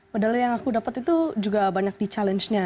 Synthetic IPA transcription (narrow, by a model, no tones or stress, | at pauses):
madalajaŋakudapət̪it̪ud͡ʒuɡabaɲak̚dit͡ʃalɛnt͡ʃɲa